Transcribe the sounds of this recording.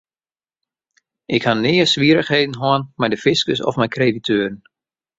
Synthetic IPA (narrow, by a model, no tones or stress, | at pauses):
ʔɪkhanɪːəsʋiəɾəχheːdən̩ɦoənmɛjdəfɪskəsɔ̰fmɛjkʰreːditʰøːɾən